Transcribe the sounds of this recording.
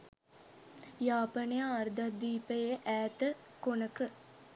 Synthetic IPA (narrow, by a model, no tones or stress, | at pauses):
jaːpənejaːrd̪ad̪iːpəjeʔæːt̪ə | konəkə